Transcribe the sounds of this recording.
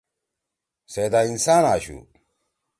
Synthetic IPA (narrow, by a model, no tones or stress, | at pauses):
seːd̪ainsaːnaːɕṵ